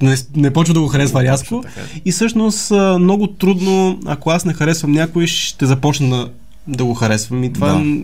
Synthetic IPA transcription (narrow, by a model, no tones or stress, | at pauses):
nɛnɛpɔt͡ʃvəd̪ɐɡoxɐɾɛsvɐɾʲjaskoifsɤʃnost̪ːmnɔɡʊt̪ɾud̪noɐ̰koasnɛxɐɾɛsvɐmnʲakʊiʃt̪ɛzɐpɔt͡ʃnəd̪ɐ | d̪ɐɡoxɐɾɛsvɐmit̪va